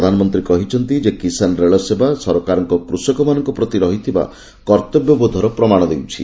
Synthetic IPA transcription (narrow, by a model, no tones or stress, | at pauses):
d̪ʱanɔmɔnt̪ɾikɔɦit͡ʃʰɔnt̪id͡ʒekisanɔɾeɭɔsebasɔɾɔkaɾɔŋkɔpɾusɔkɔmanɔŋkɔpɾɔt̪iɾɔɦit̪ʰiba̰ | kɔɾt̪ɔbjɔbod̪ʱɔɾɔpɾɔmaɽ̃ɔd̪ewt͡ʃʰḭ